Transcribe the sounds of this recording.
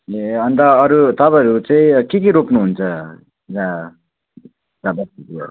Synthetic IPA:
eʌnt̪ʌːɾut̪ʌpãʌɾut͡saĩkekeɾopnuɦunt͡sʰʌ | d͡za | d͡zabʌst̪iko

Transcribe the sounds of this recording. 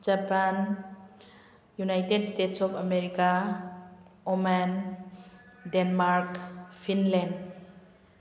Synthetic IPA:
d͡ʒapan | junajtedstetsɔpʰameɾika | oman | denmaɾkpʰinlend

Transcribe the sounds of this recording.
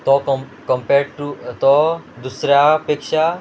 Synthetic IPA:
t̪ɔkɔkɐmpeːɾɖʈut̪ɔd̪usɾapeːkʃa

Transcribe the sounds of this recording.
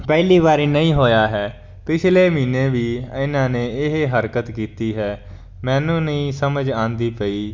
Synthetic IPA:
pɛːliːβaːɾiːnəĩːɦoːjaːɦɛː | pɪt͡ʃʰleːmiːneːʋiːɪnãːneːɪɦɦəɾkət̪kiːt̪iːɦɛː | mɛ̃ːnũːnəĩːsəməd͡ʒãːnd̪iːpəiː

